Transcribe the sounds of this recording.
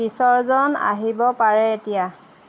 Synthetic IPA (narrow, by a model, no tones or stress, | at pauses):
bisɔɹzɔna̰ɦibɔpaɹɛetija